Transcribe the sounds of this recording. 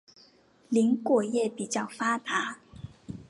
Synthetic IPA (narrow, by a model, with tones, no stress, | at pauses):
li˧˥nkwɔ˨˩jɛ˥˩pi˨˩t͡ɕjɑ˥˩ʊfa˥t̪a˧˥˦